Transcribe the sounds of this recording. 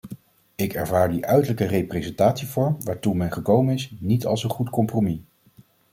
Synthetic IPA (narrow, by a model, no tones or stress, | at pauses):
ɪkɛɹvaːɹdiʔœɥtələkərejprezɛntaːtsivɔɹmʋaːɹtumɛnχəkowmənɪsnitɑ̰lˠsənχutkɔmpromi